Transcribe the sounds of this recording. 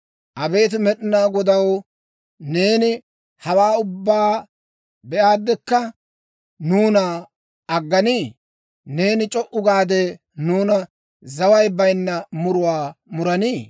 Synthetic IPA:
ʔɐbe̞ːt̪̬ɪmɛɗɪnaːɡɔd̪ɐw | ne̞ːnɪ | hɐwaːʊbːaː | bɛʔaːd̪ːɛkːɐ | nuːnɐ | ɐɡːɐniː | ne̞ːnɪt͡ʃʼɔʔʊɡaːd̪ɛ | nuːnɐ | zɐwɐjbɐjnːɐmʊɾʊwaːmʊɾɐniː

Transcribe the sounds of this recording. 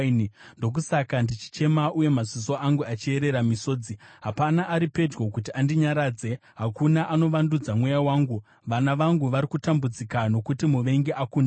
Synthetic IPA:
nndo̞k̬usakandit͡ʃi̥t͡ʃe̞maʔuje̞mazis̬o̞ʔaŋɡuat͡ʃie̞ɾe̞ɾamiso̞ːd͡ziɦapanaʔːɾipe̞d͡ʒɡo̞kutiandiɲaɾaːd͡ze̞ɦakunaʔano̞ʋandud͡zamwejawaːŋɡu | ʋanaʋaŋɡuʋaɾikutambud͡zikano̞kutimuʋe̞ŋɡeʔakunda

